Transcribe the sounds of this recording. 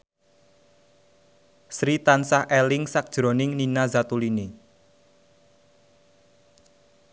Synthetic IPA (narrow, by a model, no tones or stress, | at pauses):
sɾit̪ansahʔɛlɪŋsak̚d̥ʒ̥ɾonɪŋninazat̪ulini